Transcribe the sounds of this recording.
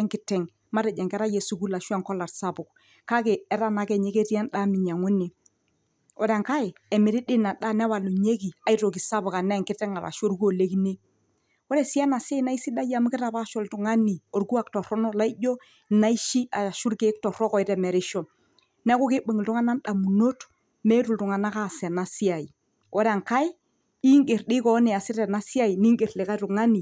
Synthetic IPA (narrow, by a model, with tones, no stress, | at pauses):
ɛ˦ŋkɪ˦tɛ˨ŋ | ma˦ɾɛ˨d͡ʒɛ˨ŋkɛ˦ɾa˦je˨su˨˦ku˦la˨ʃwa˦ŋkɔ˦la˨tsa˦bʊ˨k | ka˦ke˨ɛ˦ɾa˦na˨kɛ˨ɲe˦ke˦ti˦a˦nɗa˦mɪ˨ɲa˨ŋʊ˦nɪ˨ | ɔ˨da˨ŋka˦ɪ˨ɛ˨mɪ˨ɾɪ˦dɪ˦na˨ɗa˦nɛ˦wa˨lu˨ɲe˦ki˨a˨˦i˦ɾtɔ˨ki˨sa˦bʊ˨ka˨nɛ˦˨ŋkɪ˦tɛ˦ŋa˨ɾa̰˨ʃo˦ɾɡu˦o˨le˦ki˦ne˦ | ɔ˦ɾɛ˨si˦a˦na˨se˦na˦i˦si˦ɗa˦ja˨m˦kɪ˦ɾa˨pa˦ʃɔ˨ltʊ˨ŋa˦ni˨o˨ɾɡu˦a˨ktɔ˨ɾɔ˦nɔ˦la˦i˦ɟɔ˦ | na˦i˦ʃi˦a˨a˨ʃu˦ɾke˦k̚tɔ˨ɾɔ˦kɔ˨ɪ˦ɾɛ˨mɛ˨ɾɪ˦ʃɔ˨ | nɛ˦kɔ˦kɪ˦bu˨ŋ˨ltu˦ŋa˦na˦nɗa˨mu˨no˦t | mɛ˦tu˨ltʊ˨ŋa˨na˦ka˦˨sɛ˨na˨si˦a˨i˨ | wɔ˦ɾɛ˦a˨ŋka˦j | i˦ŋɡe˨ɾɗɪ˦kɔ˨˦nɪ˨a˨sɪ˦ɾɛ˨na˦si˦a˦i˨ni˦ŋɡe˨ɾlɪ˨ka˦tʊ˨ŋa˦ni˨